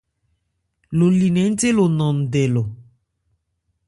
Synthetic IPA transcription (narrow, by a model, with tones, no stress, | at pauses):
lo˨li˨nɛ˨˦n̩˦te˦lo˨nɔ̃˨n̩˨dɛ˨lo˨